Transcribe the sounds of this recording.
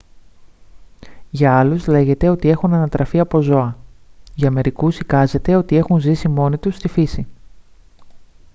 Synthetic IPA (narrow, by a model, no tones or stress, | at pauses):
ʝɐɐluzle̞ʝe̞t̪e̞o̞t̪ie̞xunɐnɐt̪ɾɐfiɐpo̞zo̞ɐʝɐːme̞ɾikusikɐze̞t̪e̞o̞t̪ie̞xunzisimo̞nit̪ust̪ifisi